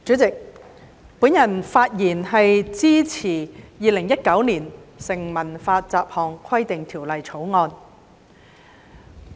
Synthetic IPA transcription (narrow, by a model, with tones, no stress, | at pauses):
t͡syː˨˥t͡sɪ˨k̚ | puː˨˥njɐ˨˩nfaː˧t̚jiː˨˩nɦɐ˨jt͡siː˥t͡sʰiː˨˩jiː˨˧lɪ˨˩ŋjɐ˥t̚kɐ˨˥wniː˨˩nsɪ˨˩ŋmɐ˨˩nfaː˧t͡saː˨˧p̚hɔː˨˩ŋkʰɐ˥jt̪ɪ˨ŋt̪ʰiː˨˩wlɐ˨jt͡sʰo˨˥wŋɔː˧n